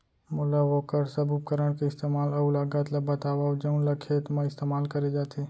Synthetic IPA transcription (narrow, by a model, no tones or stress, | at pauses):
mʊlaʋoːkəɾsɐbup̚kəɾəɽ̃keɪst̪eːmaːlɐlaːɡat̪lɐbɐt̪aːʋaːd͡ʒɐnlɐkʰet̪mãɪst̪eːmaːlkɐɾed͡ʒaːt̪ʰeː